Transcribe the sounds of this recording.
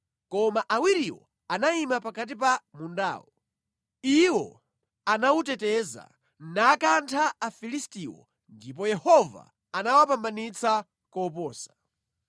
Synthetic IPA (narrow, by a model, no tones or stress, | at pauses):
kɔmaʔawiɾiwɔ̰ | anaimapakat̬ip̬amunda̰ːwɔ | iwɔ | anautɛtɛza̰ | nakantʰaːfilistiwɔ̰ | ndip̬ɔjɛhɔva̰ | anawapambanit͡sʰa | kɔːp̬ɔːsḁ